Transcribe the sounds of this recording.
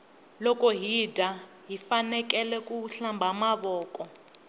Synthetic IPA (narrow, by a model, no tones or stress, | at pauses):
lɔkʼɔɦidʱa | ɦifanɛk̬ʼɛlɛkuɬambʱamaβɔːkʼɔ